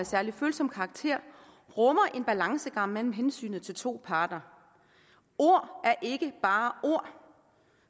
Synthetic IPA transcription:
sæɐliføːlsɒ̽m̰kʰɑ̈ːɡ̥̚t͡sʰe̝ɐ̰ | ʁɔmɐʔe̝nb̥ælɑ̈ŋsəɡ̥ɑ̈m̰mel̰m̩ɦensy̰ːnð̩ˠt͡sʰe̝lt͡sʰo̝̰ːpʰɑ̈ːd̥ɐ | o̝ɐ̰ʔæɐʔe̝ɡ̥əb̥ɑ̈ːo̝ɐ̰

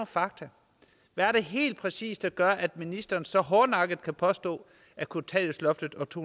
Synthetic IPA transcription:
fɑ̈ɡ̥̚t͡sʰæ | ʋææɐɾ̥e̝ɦe̝̰ːld̥̚pʰʁɛsḭːsd̥æɡ̥ɶɐʔæd̥minisd̥ɐːn̩sɒ̽ɦɒːnɑ̈ɡ̥əð̩ˠkʰæpʰɒ̽sd̥ɔ̰̽ː | ækʰot͡sʰɛ̰oslɒ̽fd̥ð̩ˠɒt͡sʰo

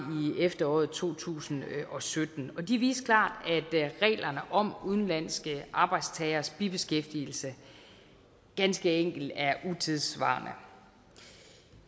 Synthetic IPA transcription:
iefd̥ɐɒ̰ːð̩ˠt͡sʰo̝̰ːt͡sʰṵːsn̩ɒ̽sød̥n̩ɒ̽d̥iʋḭːskʰlɑ̰̈ːd̥æd̥ʁɛ̰ːlʔɐnəʔɒ̽muð̞ˠn̩læn̰sɡ̥əʔɑ̈ːb̥ɑ̈ɪd̥st͡sʰɛːɐsb̥ib̥e̝sɡ̥efd̥il̩sə | ɡ̥ænsɡ̥əeŋ̰ɡ̥l̩d̥æɐʔut͡sʰeðˠsʋɑ̰̈ːnʔə

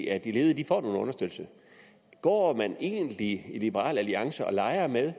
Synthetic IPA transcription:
æd̥ile̝ːð̩ˠəd̥ifɒ̰ːnoːn̩ɔ̽nɐsd̥ød̥̰l̩sə | ɡ̥ɒ̰ːmæne̝̰ːnlilib̥əʁɑ̰̈ːlæliɑ̈ŋsəɒ̽lɑ̈ɪɐmeðˠ

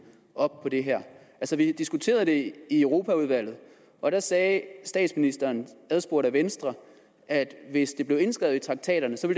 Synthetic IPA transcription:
ʔɒ̽b̥̚pʰɒ̽d̥e̝ɦæɐ̰ʔælsɒʋid̥isɡ̥ut͡sʰe̝̰ːɐð̞ˠd̥e̝iœʊʁo̝ːpʰæuð̞ˠʋæl̰ð̩ˠ | ʔɒ̽ɾ̥æsɛːsd̥ɛ̰ːd̥sminisd̥ɐːnæðˠsb̥o̝ɐɾæʋensd̥ʁɐ | æd̥ʋe̝sd̥e̝b̥le̝ʊe̝nsɡ̥ʁɛðˠit͡sʰʁɑ̈ɡ̥̚t͡sʰɛ̰ːɾ̥ɐnəsɒ̽ʋe̝l

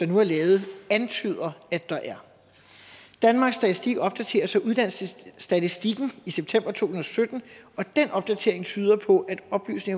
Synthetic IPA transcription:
d̥ɑ̈nuæɐlɛːʊð̩ˠænt͡sʰy̰ð̞ˠɐæd̥ɑ̈ʔæɐ | d̥ænmɑ̈ːɡ̥sːd̥æt͡sisd̥iɡ̥ɒ̽b̥̚d̥æt͡sʰe̝̰ːɐsɒ̽ʔuð̞ˠd̥æn̰ssd̥æt͡sisd̥iɡ̥n̩iseb̥̚t͡sʰem̰b̥ɐt͡sʰo̝̰ːhunɐɒsød̥n̩ɒ̽d̥enʔɒ̽b̥̚d̥æt͡sʰe̝̰ɐ̰e̝ŋt͡sʰyːð̞ˠɐpʰɒ̽ʔæd̥ɒ̽b̥ly̰ːsne̝ŋ

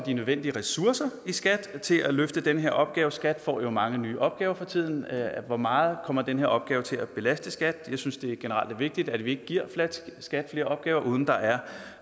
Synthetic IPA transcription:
d̥inøðˠʋen̰d̥iəʁɛsuɐsɐisɡ̥æd̥t͡sʰe̝lʔæløfd̥əd̥enəɦe̝ɐʔɒ̽b̥̚ɡ̥ɛːʊəsɡ̥æd̥fɒ̰ːjo̝mɑ̈ŋənyːʔɒ̽b̥ɡ̥ɛːʊɐfʁɑ̈t͡sʰið̞̰ˠn̩ʋɒmɑ̈ːð̞̩ˠkʰɒ̽m̰ɐd̥enəheɐ̰ɒ̽b̥ɡ̥ɛːʊt͡sʰe̝læb̥e̝læsd̥əsɡ̥æd̥jɑ̈ɪsynsd̥e̝æɐɡ̥e̝nəʁɑ̈l̰d̥ʋe̝ɡ̥̚d̥id̥æd̥ʋie̝ɡ̥əɡ̥iɐ̰flsɡ̥æd̥fle̝ːɐɒ̽b̥̚ɡ̥ɛːʊɐʔuːð̞ˠn̩d̥ɑ̈ʔæɐ

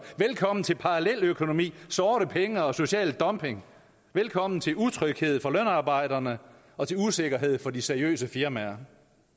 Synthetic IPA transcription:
ʋelkʰɒ̽m̰n̩t͡sʰe̝lpʰɑ̈ʁɑlel̰økʰo̝no̝mḭːsɒːɾəpʰeŋəɒ̽so̝ɕɛ̰ːld̥ɒ̽mpʰe̝ŋ | ʋelkʰɒ̽m̰n̩t͡sʰe̝lut͡sʰʁœɡ̥he̝ð̰ˠfɒ̽løn̰ɑ̈ːb̥ɑ̈ɪ̰d̥ɐnə | ɒ̽t͡sʰe̝luse̝ɡ̥ɐɦe̝ð̰ˠfɒ̽diseɐiø̰ːsəfiɐmæɐ

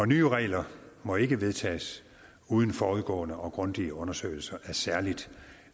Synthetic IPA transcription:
ɒ̽nyːəʁɛ̰ːlɐmɒ̽e̝ɡ̥əʋe̝ð̞ˠt͡sʰɛ̰ːs | uːð̞ˠn̩fɒːuðˠɡ̥ɔ̰̽ːnəʔɒ̽ɡ̥ʁɔ̽nd̥iəɔ̽nɐsø̰ɪl̩sɐʔæɐsæɐlid̥

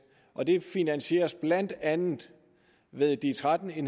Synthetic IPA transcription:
ʔɒ̽d̥e̝finænɕe̝̰ːɐsb̥lænd̥ænð̩ˠ | ʋe̝ðˠd̥it͡sʰʁad̥n̩en

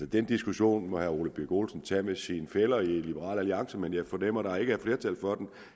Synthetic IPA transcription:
səd̥end̥isɡ̥uɕo̝̰ːnmɒ̽hæɐo̝ːləb̥yɐɡ̥o̝ːlsn̩t͡sʰæmesinfelɐilib̥əʁɑ̰̈ːlæliɑ̈ŋsəmenjɑ̈ɪfɒnem̰ɐɾ̥ɑ̈e̝ɡ̥əæɐfle̝ːɐt͡sʰælfɒ̽d̥en

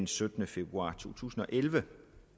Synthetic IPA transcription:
nsød̥ənəfe̝b̥ʁuɑ̰̈ːt͡sʰo̝̰ːt͡sʰṵːsn̩ɒ̽ʔelʋə

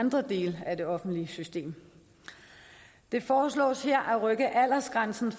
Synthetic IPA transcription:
nd̥ʁɐd̥e̝̰ːləæd̥e̝ɒ̽fn̩d̥liəsysd̥e̝̰ːm | d̥e̝fɒːslɔ̰̽ːsheɐ̰ʔæʁœɡ̥əʔæl̰ɐsɡ̥ʁansn̩f

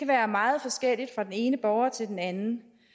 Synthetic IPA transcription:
kæʋæːɐmɑ̈ːð̞̩ˠfɒ̽sɡ̥el̰id̥fʁɑ̈d̥ene̝ːnəb̥ɒʊɐt͡sʰe̝ld̥enænn̩

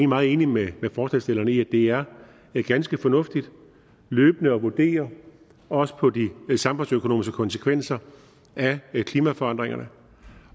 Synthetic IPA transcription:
eimɑ̈ð̩ˠe̝ːnimemefɒːsɛsd̥e̝lɐnəiæd̥e̝æɐ | ɡ̥ænsɡ̥əfɒ̽nɔ̽fd̥id̥ | løːb̥ənəɒ̽ʋud̥e̝̰ːɐ | ɒ̽sə̥pʰɒ̽disɑ̈mb̥ɔ̽nsøkʰo̝no̝ːmisɡ̥əkʰɒ̽nsə̥kʰʋen̰sɐ | ʔækʰliːmæfɒ̽ɑ̈n̰d̥ʁeŋɐnə

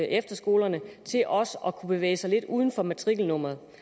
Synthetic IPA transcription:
ʔefd̥ɐsɡ̥o̝ːlɐnət͡sʰe̝lʔɒ̽sɒ̽kʰub̥e̝ʋḛːɪsɑ̈ɪle̝d̥uːð̞ˠn̩fɒ̽mæt͡sʰʁiɡ̥l̩nɔ̽m̰ʁɐð̞̩ˠ

